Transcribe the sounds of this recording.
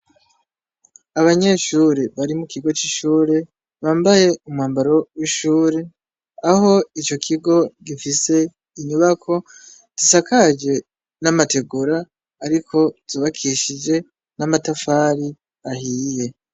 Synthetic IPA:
aβaɲe̞ʃuːɾeβaɾimukiɡo̞t͡ʃiʃuːɾe | βaːmbaje̞umŋaːmbaɾo̞wiʃuːɾe | aho̞it͡ʃo̞kʰiɡo̞ɡifise̞ | iɲuβakʰo̞ | z̥isakʰad͡ʒe̞ | namate̞ɡuɾaː | ɾikʰo̞z̥uβakʰiʃid͡ʒe̞ | namatafaːɾi | ahiːje̞

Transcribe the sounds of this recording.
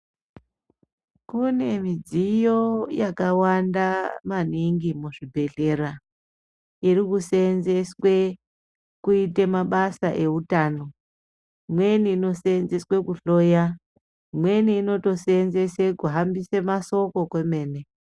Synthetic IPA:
kune̞mid͡zijo̞jakawandamaniŋɡimuʐibʱe̞ɮe̞ɾa | irikusenze̞swe̞ | kuitemaɓasaʔe̞utaːno̞ | mwe̞niːno̞senze̞swe̞kuɬo̞ːja | mwe̞niːno̞to̞senze̞sekuɦambisemaso̞ko̞kwe̞me̞ːne̞

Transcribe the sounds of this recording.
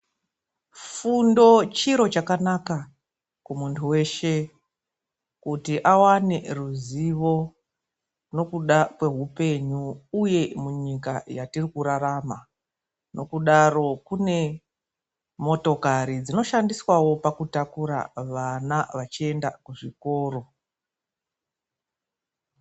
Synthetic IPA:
fundo̞t͡ʃiɾo̞t͡ʃakanaka | kumuntʰuwe̞ʃe̞ | kutiʔawaneruziʋo̞ | no̞kuɗakwe̞ɦupe̞ɲuːje̞muɲikajatirikuɾaɾama | no̞̰kuɗaro̞kune̞ | mo̞to̞kaɾid͡zino̞ʃandiswawo̞pakutakuɾa̰ʋanaʋat͡ʃie̞nda̰kuʐiko̞ːro̞

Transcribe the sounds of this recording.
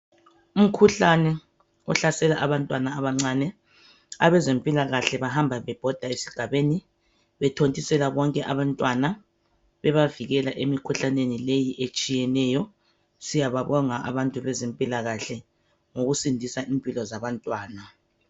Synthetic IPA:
um̩kʰuɬanɛ | ɔ̰ɬasɛlaʔaβantʼwanaːβaŋ͡ǀanɛ | a̰βɛzempʼilaɣaɬɛβahambʱaβɛb̥ʱɔd̥ʱaesi̥ɡ̥ʱaβeːni | βɛtʰontʼisɛlaβɔŋkʼɛʔaβantʼwana | βɛβaviɣɛlaʔemikʰuɬanenilejiʔet͡ʃʼijɛnɛjɔ | sijaβaβɔŋaʔa̰βantʼuβɛzempʼilaɣaɬɛ | ŋoɣusindʱisaʔimpʼilɔzaβantʼwaːna

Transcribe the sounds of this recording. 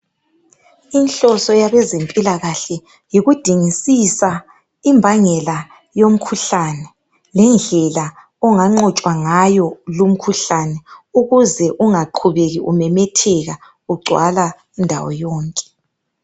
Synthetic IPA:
inɬɔsɔjaβɛzempʼilaɣaɬɛ | jiɣud̥ʱiŋisisa | imbʱaŋɛla | jom̩kʰuɬanɛ | lɛnd͡ɮʱɛla | ɔŋaŋ͡ǃɔt͡ʃʼwaŋajɔlum̩kʰuɬanɛuɣuzɛʔuŋaǃʰuβeɣiʔṵmɛmɛtʰɛɣa | uɡ͡ǀʱwa̰la | indʱa̰wɔ̰jɔːŋkʼɛ̥

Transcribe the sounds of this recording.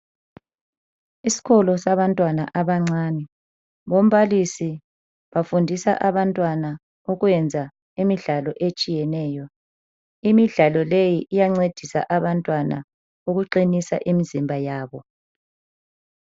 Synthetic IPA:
isi̥ɣɔlɔsaβantʼwana̰ʔaβaŋ͡ǀaːnɛ | βom̩βalisi | βafundʱisa̰ʔaβantʼwana | uɣwɛnd͡zʱa | imiɮalɔʔet͡ʃʼijɛnɛːjɔ | imiɮalɔlejiʔijaŋ͡ǀed̥ʱisa̰ʔaβantʼwana̰ | uɣuǃinisa̰ʔimizimbʱajaːβɔ

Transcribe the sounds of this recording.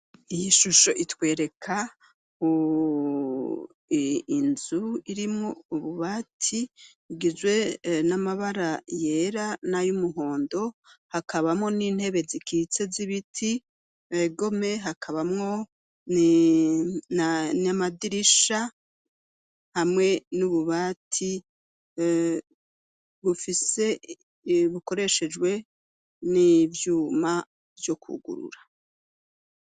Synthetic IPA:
ijiʃuʃo̞ʔitwe̞ːɾe̞kʰa | u | inzuiɾimŋouβuβatʰi | iɡizwe̞namaβaɾaje̞ɾanajumuɦo̞ːndo̞hakʰaβamŋo̞niːn̥he̞βe̞zikʰit͡se̞ziβitʰi | eɡo̞me̞ɦakʰaβamŋo̞ | n | anamadiɾiʃa | hamŋe̞nuβuβaːtʰi | βufise̞ | βuko̞ɾe̞ʃe̞d͡ʒwe̞ | nivjuːma | vjo̞kʰṵɡṵɾṵɾḁ

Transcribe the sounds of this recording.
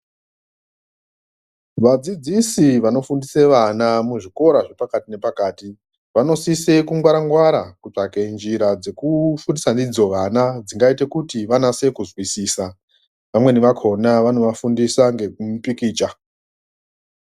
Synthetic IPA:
ʋad͡zid͡zisiʋano̞fundiseʋanamuʐiko̞ɾaʐe̞pakatine̞pakaːti | ʋano̞sise̞kuŋɡwaɾaŋɡwaɾakut͡ʂakend͡ʒiɾad͡ze̞kufundisandid͡zo̞ʋanad͡ziŋɡaite̞kutiʋanase̞kuzwisiːsa | ʋamwe̞niʋakʰo̞naʋano̞ʋafundisaŋɡe̞kumupikiːt͡ʃa

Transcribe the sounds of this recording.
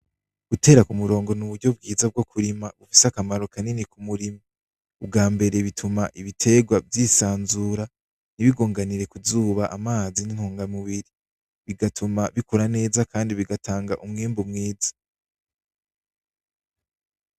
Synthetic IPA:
ɡ̥ute̞ːɾakumuɾo̞ːŋɡo̞nuβuɾɟo̞b̚ɡiːzab̚ɡo̞kʰuɾimaβufi̥sakamaɾo̞kaninikumuɾima | ub̚ɡaːmbe̞ɾe̞βitʰumaʔiβitʰe̞ɡwavjiːsaːnzuɾa | niβiɡoːŋɡaniɾe̞kuzuːβaʔamaːzinin̥hoːŋɡamuβiɾi | βiɡatʰumaβikoɾane̞ːzakʰaːndiβiɡatʰaːŋɡaʔumŋiːmbumŋiːzḁ

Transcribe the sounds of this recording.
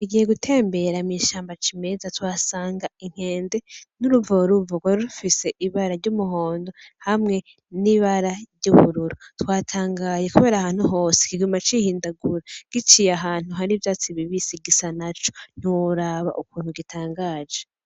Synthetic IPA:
iɡije̞ɡutʰe̞ːmbe̞ɾamŋiʃaːmbat͡ʃime̞zatwaːsaːŋɡaiŋ̥he̞ːnde̞nuɾuvoɾuvoɡwaɾuɾufise̞ʔiβaɾaɾɟumuɦo̞ːndo̞hamŋe̞ | niβaɾaɾɟuβṵɾuɾutwaːtʰaːŋɡaːje̞kuβe̞ːɾahaːn̥huɦo̞ːse̥kiɡumat͡ʃihiːndaɡuɾaɡ̥it͡ʃijaɦaːn̥uɦaɾivjaːt͡siβiβisiɡisanat͡ʃon̥uɾaβa̰ʔukuːn̥huɡitʰaːŋɡaːd͡ʒe

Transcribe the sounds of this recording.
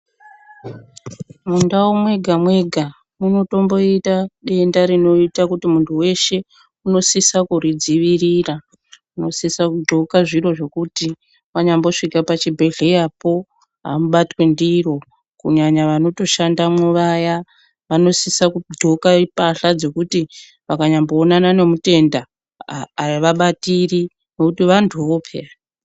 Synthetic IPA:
mundawomwe̞ɡʱamwe̞ɡʱa | muno̞to̞mbo̞itaɗe̞ndaɾino̞itakutimuntʰuwe̞ʃe̞ | uno̞sisakuɾid͡ziʋirira | uno̞sisakudʱo̞kaʐiro̞ʐe̞kuti | waɲambo̞ʂikapat͡ʃibʱe̞ɮe̞japo̞ | ɦa̰muɓatwe̞ndiro̞ | kṵɲaɲaʋano̞to̞ʃandamwuʋaja | ʋano̞sisakuɡ͡ǃʱo̞kaipaɬad͡zo̞kuti | ʋakaɲambo̞ːnanane̞mute̞ndaː | ʋaɓatiri | no̞kutiʋantʰuʋo̞pʰḛa

